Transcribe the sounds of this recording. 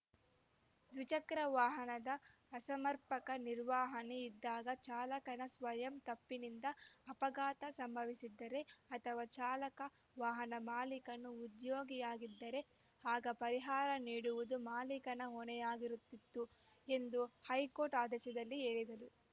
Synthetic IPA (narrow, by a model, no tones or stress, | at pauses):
d̪ʋit͡ʃɐkɾɐʋaːɦɐnɐd̪ɐː | sɐmɐɾpɐkɐniɾʋaːɦɐneid̪ːaːɡɐt͡ʃaːlɐkɐnɐsʋɐjɐmt̪ɐpːinind̪ɐːpɐɡaːt̪ɐsɐmbʱɐʋisid̪ːɐɾe̞ɐt̪ʰɐʋaːt͡ʃaːlɐkɐ | ʋaːɦɐnɐmaːlikɐnːuːd̪joːɡijaːɡid̪ːɐɾe̞ | haːɡɐpɐɾiɦaːɾɐniːɽuʋud̪umaːlikɐnɐɦɔnɛjaːɡiɾut̪ːit̪ːu | e̞nd̪uhɐjkoːɾʈaːd̪ɛʃɐd̪ɐlːie̞ːɭid̪ɐlu